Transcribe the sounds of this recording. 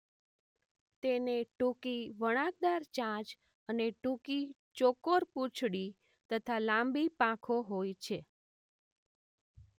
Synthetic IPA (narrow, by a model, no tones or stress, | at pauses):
t̪eneʈũkiʋəɽ̃ãk̚d̪aɾt͡ʃãt͡ʃ | əneʈuki | t͡ʃokoɾput͡ʃʰɽi | t̪ət̪ʰalãmbipãkʰoɦojt͡ʃʰe